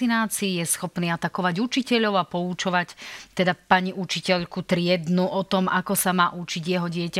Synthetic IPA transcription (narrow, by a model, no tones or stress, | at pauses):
inaːt͡siːjɛsxɔpniːat̪akɔʋaɟut͡ʃicɛʎɔʊapɔut͡ʃɔʋact̪ɛd̪apaɲiʔut͡ʃicɛʎkut̪ɾɪɛd̪nuʔɔt̪ɔmakɔsamaːʔut͡ʃiɟjɛɦɔɟɪɛca